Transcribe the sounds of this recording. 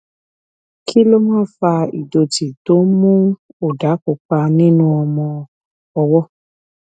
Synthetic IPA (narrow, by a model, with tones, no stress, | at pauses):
kʰi˦lo˦mãː˦˨˦fa˧ḭ˨do˧ti˨to˨˦mũ˦o˨da˨˦ko˨k͡pa˧nĩ˦nũ˧ɔ˧mɔ̃˧ | ɔ˧wɔ˦